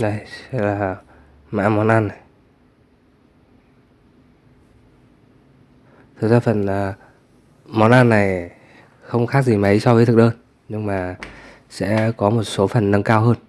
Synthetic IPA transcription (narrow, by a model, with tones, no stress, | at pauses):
ɗə˨˧˩jsɛ̰˧˥laː˨˩ | ma̰ː˧˥mɔ˨˦nʔaː˧nːa˨˩j | t̪ʰɨ˨˩zaː˧˩fə˨˩nəː˨˩ | mɔ˨˦nʔaː˧nːa˨˩j | xə˧wŋ͡mxaː˦˥k̚zi˨˩mə˨˦jsɔ˧vəː˨˦t̪ʰɨ˨˩k̚ɗəː˧n | ɲɨ˧ŋmaː˨˩ | sɛ̰˧˥kɔ˨˦mo˨˩t̚so˨˦fə˨˩nːə˧ŋkaː˧wɦəː˧n